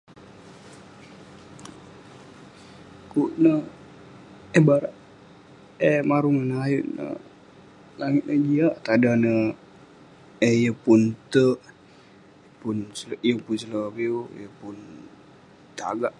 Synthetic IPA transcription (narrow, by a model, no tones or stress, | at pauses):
kuʔnə | ehbaɾaʔ | emaɾuŋənajuʔnə̰ | laŋit̪̚nəd͡ʒiaʔt̪adanə | ehjəpunt̪əʔ | jəpunsljəpunsələpiojəpun | t̪a̰ɡaʔ